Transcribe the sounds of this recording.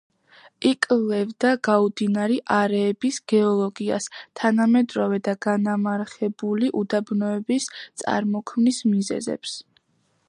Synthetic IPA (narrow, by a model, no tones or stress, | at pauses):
ikʼlɛvd̪aɡaud̪inaɾiʔaɾɛːbisɡ̥ɛɔlˠɔɡia̰st̪ʰanamɛd̪ɾɔvɛd̪aɡanamaɾχɛbuliʔud̪abnɔɛbist̪sʼa̰ɾmɔkʰmnismizɛ̰zɛ̰ps